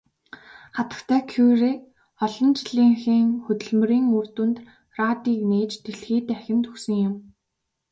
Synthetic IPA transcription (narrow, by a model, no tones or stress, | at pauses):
χat̪ə̥̆kt̪ʰæːkʰureː | ɔɮɞ̆nt͡ɕɮiːŋxiːŋxɵt̪ɵ̆ɮmɵ̆riːŋur̥t̪uːnt̪ | raːt̪iːkneːt͡ɕt̪eɮxiːt̪æxʲɪ̆nt̪ɵksɵ̆ŋjʊm